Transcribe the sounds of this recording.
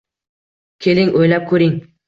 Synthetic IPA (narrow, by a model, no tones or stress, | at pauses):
kʲʰe̞lɪŋʔojlap̚kʰɵɾɪŋ